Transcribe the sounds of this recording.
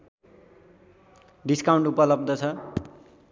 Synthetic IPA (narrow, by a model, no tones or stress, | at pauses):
ɖiskawɳʈupʌlʌb̚d̪ʌt͡sʰʌ